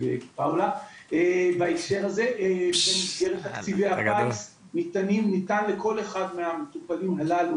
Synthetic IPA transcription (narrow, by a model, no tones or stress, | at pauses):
bḛpawlaebaefʃe̞ʁhaze̞ʔbenizɡe̞ʁethakt͡siveapas | nitanimnitanle̞ko̞leχadmeame̞tupalimalal